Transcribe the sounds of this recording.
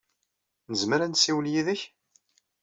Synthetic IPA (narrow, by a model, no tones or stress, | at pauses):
nəzməɾænsiwljiðəç